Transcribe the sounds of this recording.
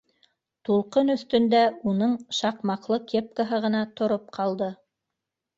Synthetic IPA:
t̪ulˠqɤnɵ̆θt̪ɵ̆nd̪æunɤɴʃɑqmɑqlˠɤkep̚kaɦɤʁɤ̆nɑt̪ŏɾop̚qʰɑlˠd̪ɤ

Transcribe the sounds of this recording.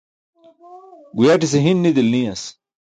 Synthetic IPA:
ɡujaʈis̬eɦinːid̪ilnijas

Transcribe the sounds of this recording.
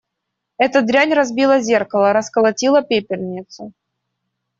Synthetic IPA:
ɛt̪əd̪ɾʲanʲrɐzbʲilˠəzʲe̞rkəlˠəɾəskəlˠɐtʲilˠəpʲepʲɪrʲnʲɪt̪sʊ

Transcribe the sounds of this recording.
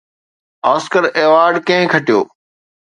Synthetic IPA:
aːskəɾeːʋaːɾɖkɐ̃ɦɪ̃kʰɐʈijo̰ː

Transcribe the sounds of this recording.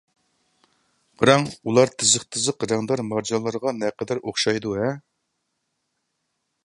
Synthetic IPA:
ʁəɾɑŋulˠɑɾt̪ʰɨzəχt̪ʰɨzəqɾɛŋd̪ɑɾmɑɾd͡ʒɑlˠːɑɾʁɑnɛqəd̪æɾoχʃɑjd̪uɦɛ

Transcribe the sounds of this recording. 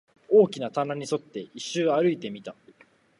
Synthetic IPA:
o̞ːkʲinat̪anaɲ̟iso̞t̪ːe̞iɕːɨːaɾɯ̟it̪e̞mʲit̪a

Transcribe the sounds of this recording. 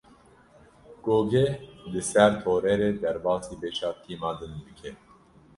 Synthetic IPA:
ɡ̥oːɡelɨsæɾt̪ʰoːɾɛɾeːd̪ɛɾbɑːsiːbeːʃɑːt̪ʰiːmɑːd̪ɨnb̪ɨkʰɛ

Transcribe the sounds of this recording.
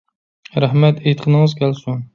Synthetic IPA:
ɾæhmɛt̪ʰejt̪qʰənɨŋɨzkʲʰælsun

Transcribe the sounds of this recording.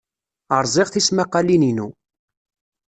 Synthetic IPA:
əɾˤzˤɪʁθismaqːɑlininu

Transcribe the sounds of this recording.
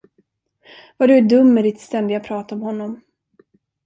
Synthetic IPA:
vaɖɵɖɵmːɛdɪt̪st̪ɛnd̪ɪɡapʰɾɑːt̪aɔmhɔnːɔm

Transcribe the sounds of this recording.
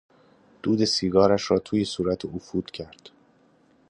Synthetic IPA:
d̪̥uːd̪e̞siːɡɒːɾæʃɾɒːt̪ʰuːje̞suːɾæt̪ʰeofuːd̪̥cʰæɾd̪̥

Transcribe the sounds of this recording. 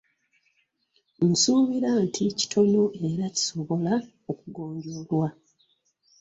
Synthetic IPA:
n̩suːβiɾaːntʰici̥tʰo̞no̞ʔe̞ɾaci̥soβo̞la | o̞kuɡo̞ːɲɟo̞lwa

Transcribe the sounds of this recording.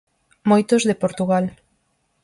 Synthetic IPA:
mojt̪ozðepoɾt̪uɣal

